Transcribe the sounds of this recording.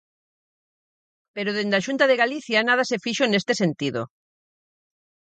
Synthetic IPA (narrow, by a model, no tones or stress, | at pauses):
peɾoðend̪aʃunt̪aðeɣaliθjanað̞asefiʃonest̪esent̪iðo̰